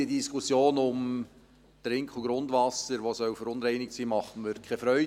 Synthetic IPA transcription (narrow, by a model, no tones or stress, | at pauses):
iədiskʰʊsjoːnʊm | tɾɪŋkʰχʊɡ̥ɾʊndʋɑsəɾʋosœʊfəɾʊnɾɛɪnɪk̚siːmɑχəməɾkʰɛfɾœʏ